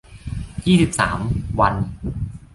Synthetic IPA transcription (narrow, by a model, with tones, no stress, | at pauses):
jiː˥˩si˨˩p̚sa̰ː˩˦mwa˧n